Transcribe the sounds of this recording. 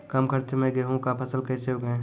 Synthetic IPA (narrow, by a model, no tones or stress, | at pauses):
kɐmkəɾt̪ʰemẽɡəɦũkapʰɐsəlkɛːseɦoɡɐẽ